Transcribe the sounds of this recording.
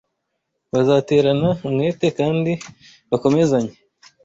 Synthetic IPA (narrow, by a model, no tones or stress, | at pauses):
βazaːte̞ːɾanaumŋe̞ːte̞kaːndi | βako̞me̞zaɲe